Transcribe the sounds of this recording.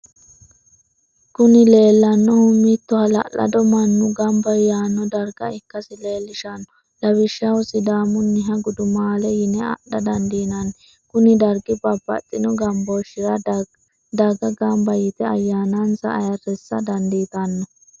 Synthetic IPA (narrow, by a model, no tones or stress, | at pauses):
kʊnɪle̞ːlːɐnːɔhʊmːit̪ːɔhɐlɐ̰ʔɐ̰d̪ɔmɐnːʊɡɐmbɐjaːnːɔd̪ɐɾɡɐɪkːɐsɪle̞ːlːɪʃanːɔ | lɐwɪʃɐʊsɪd̪aːmʊnːɪɦɐɡʊd̪ʊmaːlɛjɪnɛɐ̰ɗɐd̪ɐnd̪iːnɐn | kʊnɪd̪ɐɾɡɪbɐbɐ̰t̪ʼːɪnɔɡɐmbɔʃɪɾɐ | d̪ɐɡɐɡɐmbɐjɪt̪ɛɐjːaːnɐnsɐ̰ɐ̰jɐrːɛsːɐd̪ɐnd̪iːt̪ɐnːɔ